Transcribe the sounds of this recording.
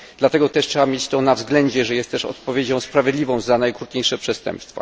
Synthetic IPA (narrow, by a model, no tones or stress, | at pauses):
d̪lat̪ɛɡɔt̪ɛʂtʂɛbamʲjet͡ɕt̪ɔnavzɡlɛɲd͡ʑɛʐɛjɛst̪t̪ɛʂɔ̰t̪̚pɔvʲjed͡ʑɔ̃w̃spɾavʲjed̪lʲivɔ̃w̃zanajkɾut̪̚ɲejʂɛpʂɛst̪ɛ̰mpst̪fa̰